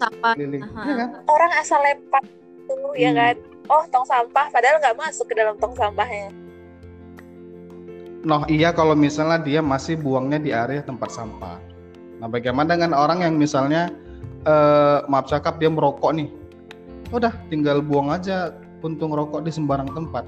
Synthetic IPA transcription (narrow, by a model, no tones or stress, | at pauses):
aailɪjakanoɾaŋasalepat̪̚ː | ulujakan | ɔht̪ɔŋsampahpadaɦalŋɡaʔmasʊkːədalamt̪ɔŋsampahɲa | nɔɦijakalomisalɲahdiamasɪhbuaŋɲadiaɾeaht̪əmpat̪̚sampa̰h | nahbaɡimanaŋanoɾaŋjaŋmisalɲa | əmap̚t͡ʃakap̚diaməɾokɔʔnɪh | udaht̪iŋɡalbuaŋad͡ʒa | unt̪ʊŋɾɔkɔʔdisəmbaɾaŋt̪əmpat̪̚